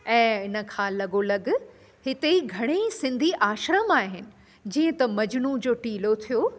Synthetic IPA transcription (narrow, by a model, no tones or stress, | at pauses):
ɛ̃ːɪnə̆kʰãːlɐɡolɐɡ | ɦɪt̪eɡʱɐɽ̃esɪ̃nd̪ʱiʔaːʃɾəmaːɦɪnɪ̆ | d͡ʑĩːə̃t̪ɐmɐd͡ʑɽũd͡ʑoːʈiːlot̪ʰijoː